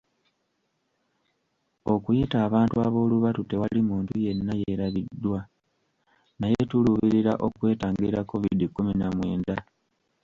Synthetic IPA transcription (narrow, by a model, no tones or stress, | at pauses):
o̞kujitaːβaːntuaβo̞ːluβatute̞walimuːntuje̞nːajeɾaβidːwa | najetuluβiɾiɾaʔo̞kwe̞ːtaːŋɡiɾakːo̞vidikːuminamwe̞ːnda